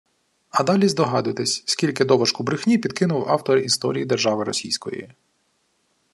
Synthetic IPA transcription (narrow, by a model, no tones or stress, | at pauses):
ɐd̪ɑlʲizd̪ɔɦɑd̪ʊjt̪ɪsʲsʲkʲilʲkɪd̪ɔʋɔʃkʊbɾɪxnʲipʲid̪kɪnʊwɑ̰wt̪ɔɾist̪ɔɾʲijid̪erʒɑʋɪɾɔ̰sʲijsʲkɔ̰jḭ